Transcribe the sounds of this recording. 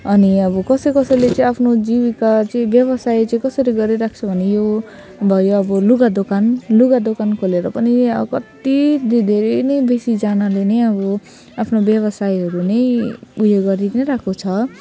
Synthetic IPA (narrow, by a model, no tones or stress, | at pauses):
ʌniʌbʌkʌsʌjkʌsʌjlet͡sʌ̃ĩapʰnod͡zibikat͡sʌĩbjʌβʌsajt͡sʌĩkʌsʌɾiɡʌɾiɾak̚ʰt͡sʰʌbʱʌnejo | bʱʌjoʌbʌluɡad̪okanluɡad̪okankʰoleɾʌpʌniʌkʌt̪id̪d̪ʱeɾenʌjbesid͡zanalenʌjʌbʌ | apʰnobjʌβʌsajɦʌɾunʌjuɦeɡʌɾinʌɾakʰot͡sʰʌ